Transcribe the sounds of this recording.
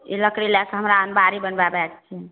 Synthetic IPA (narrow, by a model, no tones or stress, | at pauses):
ḭləkɽilɛkɦəmɾaənbaɾibənbabɛk̚t͡ʃʰɛ